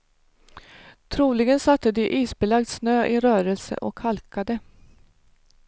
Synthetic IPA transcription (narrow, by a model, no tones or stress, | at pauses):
t̪ʰɾuːlɪɡənsat̪ːəd̪ɪʔiːsbɛlaɡ̚d̪snøːʔɪɾœːɾəlsə̰ʔɔkʰhalkad̪ə